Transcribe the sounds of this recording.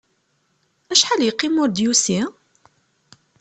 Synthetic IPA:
æʃħaljəqːimʊɾd̪jusi

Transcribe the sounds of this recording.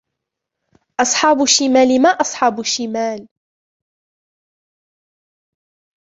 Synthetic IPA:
ʔɑsˤħɑːbʊʃimaːlɪmaʔɑsˤħɑːbʊʃimaːl

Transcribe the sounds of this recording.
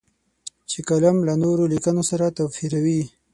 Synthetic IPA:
t͡ʃekalamlanoɾolikənosaɾat̪awfiɾawi

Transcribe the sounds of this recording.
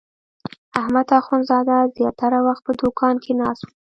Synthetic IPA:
ahmad̪axunzɑd̪azjɑt̪aɾawaxt̪̚pəd̪ukʰɑnkʰenɑsu

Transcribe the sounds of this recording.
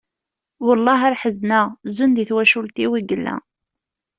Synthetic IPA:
wəlˤːɑɦaɾħəznəzund̪iθwæʃult̪iwiɡəlːæ̰

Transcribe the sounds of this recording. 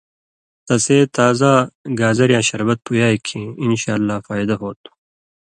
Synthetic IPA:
t̪ɐseːt̪aːzaɡaːzɐɾjãːɕɐɾbɐt̪̚pʰujaːjkʰiinɕaːlːaːfaːjd̪ɐɦoːt̪u̥

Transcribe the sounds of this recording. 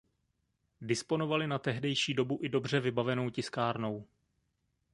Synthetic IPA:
dɪspo̞no̞valɪnat̪ɛɦdɛjʃiːdo̞buʔɪdo̞br̝ɛvɪbavɛno̞wcɪskaːɾno̞w

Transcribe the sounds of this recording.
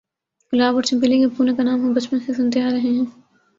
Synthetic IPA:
ɡʊlaːbɔːɾt͡ʃɐmpɪlikepuːnẽkanaːmɦɐ̃mbɐt͡ʃpənsesʊnt̪eɦaɾɐɦeɦɛ̃ː

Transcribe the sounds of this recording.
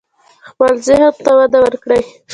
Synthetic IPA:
walzɪɦat̪t̪ːawad̪awəɾkɽaj

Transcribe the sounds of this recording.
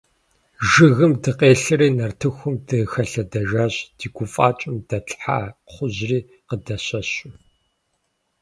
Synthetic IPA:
ʒɨɣɨmdɨqeːɬɨriːnɐrtʰɨxʷʊmdɨxɐɬɐdɐʒaːɕd̥iːɡʷʊfʼaːt͡ʃʼɪmd̥ɐtħa̰ːχʷʊzriː | qədɐɕɐɕʊ

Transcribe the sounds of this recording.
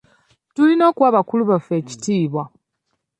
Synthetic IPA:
tulino̞ːkwaːβakuluβafe̞ːci̥tiːβwa

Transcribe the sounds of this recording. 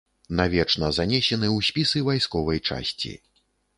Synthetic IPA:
navʲɛt͡ʂnɐzanʲɛsʲɛnɨwsʲpʲisɨvajskɔvɐjt͡ʂa̰sʲt͡sʲḭ

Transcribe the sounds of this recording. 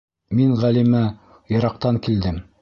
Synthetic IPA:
miŋʁælimæ | jɤ̆ɾɑqt̪ɑŋkild̪ɘm

